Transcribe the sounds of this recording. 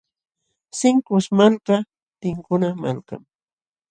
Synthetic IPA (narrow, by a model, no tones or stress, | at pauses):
sɪŋkʊsmalka | t̪ɪŋkʊnama̰lka̰ŋ